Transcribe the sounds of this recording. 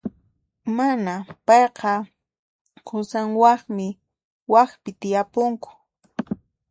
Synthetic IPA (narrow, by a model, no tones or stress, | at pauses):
manapɑjqɑ | qʰʊsaŋwɑχmɪ | waxpɪt̪ɪjapʊŋkʊ̥